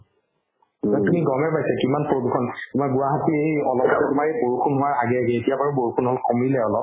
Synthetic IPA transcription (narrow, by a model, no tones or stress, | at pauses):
zatumiɡɔmɛɹpajsɛkimanpɹodukʰɔntʊmaɹɡʊwaɦatiejɔlɔpɔtɔtumaɹejboɹukʰunɦʊwaɹaɡɛaɡɛetijabaɹuboɹukʰunɦɔlkomilɛɔlɔp̚